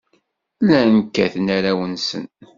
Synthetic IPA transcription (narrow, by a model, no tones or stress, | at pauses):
lænkːæθnæɾæwənsə̰n